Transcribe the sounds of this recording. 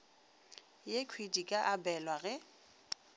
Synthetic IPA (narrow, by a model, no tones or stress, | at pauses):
jekʰwidikʼaʔabɛlwaɣɛ